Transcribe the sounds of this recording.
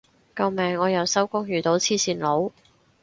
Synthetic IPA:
kɐ˧wmɛː˨˩ŋːɔː˨˧jɐ˨˧wsɐ˥wkʊ˥ŋjyː˨˩t̪o˨˧˥wt͡sʰiː˥siː˧˩nlo˨˧w

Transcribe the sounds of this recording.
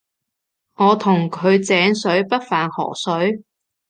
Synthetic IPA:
ŋɔː˨˧t̪ʰʊ˨˩ŋkʰɵ˨˧ɥt͡sɛː˨˥ŋsɵ˨˥ɥpɐ˥t̚faː˨nhɔ̰ː˨˩sɵ˨˥ɥ

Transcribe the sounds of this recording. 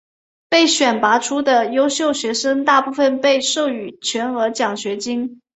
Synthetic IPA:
pe˥˩ɪɕɥɛ˨˩npa˧˥ʈ͡ʂʰu˥d̪ə˨jo˥ʊɕjo˥˩ʊɕɥɛ˧˥ʂə˥ŋt̪a˥˧pu˥˩fə˧˩npe˥˧ɪʂo˥˩ʊy˨˩t͡ɕʰɥɛ˧˥nɤ˧˥t͡ɕjɑ˨˩ŋɕɥɛ˧˥t͡ɕi˥ŋ

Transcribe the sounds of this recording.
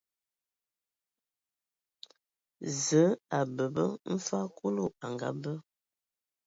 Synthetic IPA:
zə˨˦a˨bə˨bə˦m̩˦fa˦kʰu˦lo˦˨a˨ŋɡa̰˨˦bə˦

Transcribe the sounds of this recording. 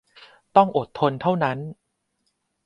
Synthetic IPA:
t̪ɔ˥˩ŋʔo˨˩t̪ʰːo˧nt̪ʰa˥˩wna˦˥n

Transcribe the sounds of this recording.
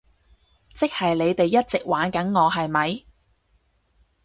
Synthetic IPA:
t͡sɪ˥k̚hɐ˨jle˨˧jt̪e˨jːɐ˥t̚t͡sɪ˨k̚waː˨˧˥nkɐ˨˥nŋɔː˨˧ɦɐ˨jmɐ˨˧j

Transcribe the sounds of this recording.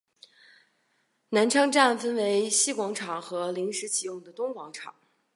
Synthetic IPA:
na˧˥nʈ͡ʂʰɤ˥ŋʈ͡ʂa˥˩nfə˥nwe˧˥ɪɕi˥kwɑ˧˥ŋʈ͡ʂʰɑ˨˩ŋxɤ˧˥li˧˥ŋʂɻ̩˧˥t͡ɕʰi˨˩jʊ˥˩ŋd̪ə˩t̪ʊ˥ŋkwɑ˧˥ŋʈ͡ʂʰɑ̰˨˩˦ŋ

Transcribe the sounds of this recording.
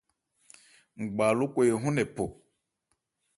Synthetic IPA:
ŋ͡m̩˨ɡ͡ba˨lu˦kʷe˦˨ɦũ˦nɛ˨po˨

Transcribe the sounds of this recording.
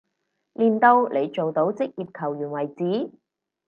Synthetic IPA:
liː˨˩nt̪o˧wlʔe˨˧jt͡ʃo˨wt̪o˨˥wt͡sɪ˥k̚jiː˨p̚kʰɐ˨˩wjyː˨˩nwɐ˨˩jt͡siː˨˥

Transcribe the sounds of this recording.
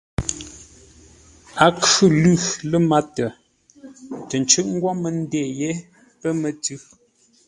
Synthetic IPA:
a˨kʉ˦lʉ˦˨lə˦ma˦tə˨ | tə˨n˨t͡ʃʉ˦ʔ̚ŋ̩˦ɡwɔ˦mə˨n˦de˦˨je˦ | pə˦mə˨tʉ˦

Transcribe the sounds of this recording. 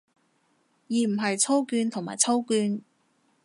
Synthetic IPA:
jiː˨˧m̩˨˩ɦɐ˨jt͡sʰo˥wkyː˧nt̪ʰʊ˨˩ŋma̰ː˨˩jt͡sʰɐ˥wkyː˧n

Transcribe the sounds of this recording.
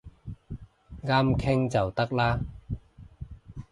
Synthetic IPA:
ŋaː˥mkʰɪ˥ŋt͡sɐ˨wt̪ɐ˥k̚laː˥

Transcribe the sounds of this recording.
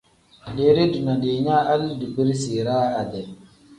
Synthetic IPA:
ɗe˨˦ɾe˦du˨na˨ɗe˨˦ɲa˦a˦ldu˨bi˦ɾsi˨ɾa˦a˨de˨

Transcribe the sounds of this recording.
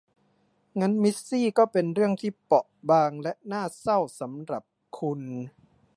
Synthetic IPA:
ŋa˦˥nmi˦˥sːiː˥˩kɔː˥˩pe˧nɾɯ˥˩əŋt̪ʰiː˥˩pɔ˨˩ʔbaː˧ŋlɛ˦˥ʔnaː˥˩sa˥˩wsa˩˦mɾa˨˩p̚ | kʰu˧n

